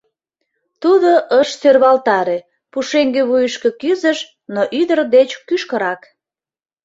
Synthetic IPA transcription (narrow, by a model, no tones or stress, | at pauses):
t̪uðoʔəʃsørβɑlt̪ɑɾe | puʃeŋɡeβujəʃke̽kyzəʃ | noʔyd̪ərd̪et͡ɕkyʃkəɾɑk